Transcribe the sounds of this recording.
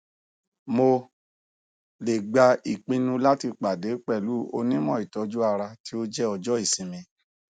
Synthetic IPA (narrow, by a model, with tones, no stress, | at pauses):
mo˧ | le˨ɡ͡ba˧i˨k͡pĩ˧nũ˧la˦ti˧k͡pa˨de˨˦k͡pɛ˦˨lu˨˦o˧nĩ˦mɔ̃˦˨i˨tɔ˨˧˦d͡ʒu˦a˧ɾa˧ti˦o˦d͡ʒɛ˦ɔ˧d͡ʒɔ˦i˦˨sĩ˧mĩ˧